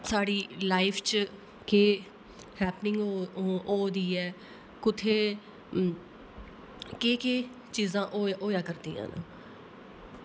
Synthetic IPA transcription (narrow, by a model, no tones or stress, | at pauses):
saːɽiːlaːɪpʰt͡ʃ | keː | hɛːpnɪ̃ŋɡoːd̪iːɛː | kʊt̪ʰeː | keːkeː | t͡ʃiːzãːʔːʔoːjãːkəɾd̪ḭːã̰ːna̰ː